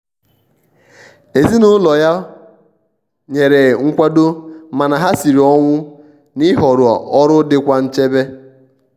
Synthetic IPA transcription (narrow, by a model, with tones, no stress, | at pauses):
e˨zi˦nʊ˦lɔ˨ja˦ | ɲe˨ɾe˨ŋ̩˦kʷa˦do˦ma˨na˨ɦa˦si˨ɾi˨ɔ˦ŋʷʊ˦ | ni˦ɦɔ˨ɾʊ˨ɔ̰˨ʔɔ˦ɾʊ˦dɪ˦kʷa˦n̩˦t͡ʃe˦be˦